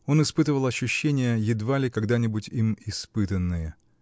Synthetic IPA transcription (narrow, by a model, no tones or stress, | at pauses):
o̞nɨspɨt̪əvəlˠɐɕːʊɕːenʲɪjəjɪd̪valʲɪkɐɡd̪anʲɪbʊtʲimɪspɨt̪ənːɨjə